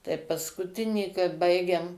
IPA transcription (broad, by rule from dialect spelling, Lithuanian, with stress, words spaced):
tɐɪ pɐskʊˈtʲɪnʲiːkɐrt ˈbɐɪɡʲeːm